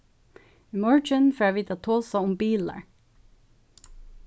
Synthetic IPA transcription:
ɪmɔɹd͡ʒənfaːʋiːt̪at̪ʰoːsaʊmbiːla̰ɹ

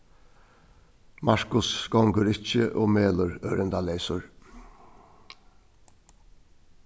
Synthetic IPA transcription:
mɑɹkʊsɡɔŋkəɾɪçəʔoːmeːlʊɾœɾənd̪ɑleɪsʊɹ

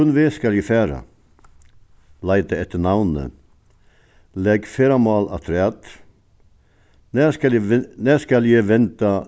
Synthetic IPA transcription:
ʉnʋeːskɑljifæːɾɑ̰ | lɑɪt̪əɛt̪ːənɑʋnə̰ | lɛɡfeːɾɑmɑːlɑ̰t̪ʰɾɛɑt̪ | næːnæːskɑljeʋɛnt̪ɑ

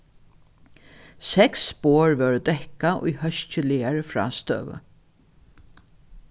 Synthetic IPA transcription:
sɛksboːɹʋœɹd̪ɛhkaʔʊ̰jhœʃt͡ʃəlɪaɹfɹa̰ːst̪œ̰ːʋə̰

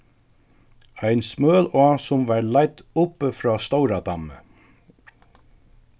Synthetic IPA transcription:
ajnsmøːlɔːsʊmʋɑːɹlajt̪ʊpəfɾɔːst̪owɾad̪amə̰

